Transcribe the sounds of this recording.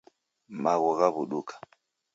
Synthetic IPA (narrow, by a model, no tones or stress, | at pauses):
maɣɔɣaβuɗukḁ